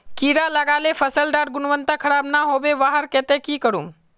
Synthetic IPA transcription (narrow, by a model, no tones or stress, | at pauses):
kiːɾalaɡaːlefʰɐsəlɖaːɾɡʊnʋənt̪akʰɐɾaːbnaɦoːbeʋaːɦəɾkɛːt̪ekikəɾũː